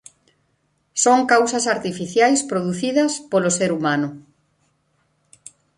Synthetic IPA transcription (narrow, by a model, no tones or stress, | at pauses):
soŋkawsɐsaɾt̪ifiθjajspɾoð̞uθiðɐspoloseɾumanʊ